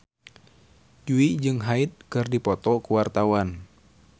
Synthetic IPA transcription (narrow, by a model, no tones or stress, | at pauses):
d͡ʒuid͡ʒɨŋɦait̪̚kɨrdipɔt̪ɔkuwart̪awan